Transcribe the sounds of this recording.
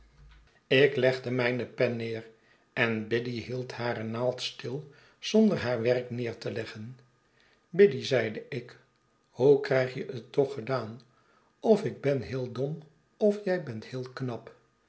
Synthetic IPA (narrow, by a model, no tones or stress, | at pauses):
ɪklɛχdəmɛjnəpɛnːɪːr | ɛnbɪdiɦilˠthaːɾənaːlˠtstɪlˠ | z̥ɔndəɹɦaːɹʋɛrknɪːɹtəlɛχən | bɪdizɛjdəɪk | howkrɛjχjəʔətːɔχədaːn | ɔfɪɡ̚bɛnɦɪːlˠdɔm | ɔfjɛjbɛnthɪːlˠknɑp